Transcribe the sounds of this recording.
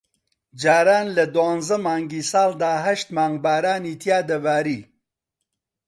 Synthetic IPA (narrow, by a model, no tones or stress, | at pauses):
d͡ʒaːɾaːnlɐd̪waːnzɐmaːŋɡiːsaːld̪aːɦɐʃt̪maːŋɡbaːɾaːniːt̪ʰjaːd̪ɐvaːɾiː